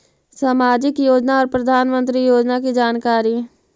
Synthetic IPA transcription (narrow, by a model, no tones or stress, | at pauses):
saːmaːd͡ʒɪkjoːd͡ʒnaɔːɾpɾɐd̪ʱaːnmə̃nt̪ɾijoːd͡ʒnakid͡ʒaːnkaːɾi